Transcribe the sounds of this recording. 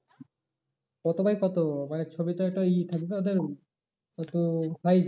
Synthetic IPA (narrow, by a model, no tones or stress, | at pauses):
kɔt̪obajkɔt̪omanet͡ɕʰobit̪oɛk̚ʈait̪ʰak̚ibeod̪eɾ | ɔt̪okʰaj